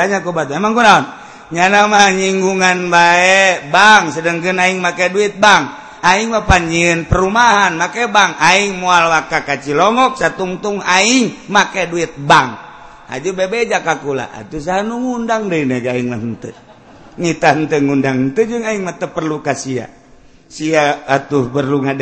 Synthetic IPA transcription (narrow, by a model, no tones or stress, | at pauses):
aɲakubat̪uɛmaŋkunaɔn | ɲanamaɲiŋɡuŋanbaɛbaŋsədəŋkənaiŋmakɛduit̪̚baŋ | aiŋmapaɲd͡ʒiənpərumaɦanmakɛbaŋaiŋmoalwakakat͡ʃilɔŋɔk̚sat̪uŋt̪uŋaiŋmakɛduit̪̚baŋ | a̰d͡ʒubebed͡ʒakakula̰ʔa̰t̪us̬aɦanuŋundaŋdəinɛɡaiŋlaɦənt̪ə | ŋit̪aɦənt̪əŋundaŋənt̪əd͡ʒəŋaiŋmət̪əpərlukasia̰ | siaːt̪uhbərluŋad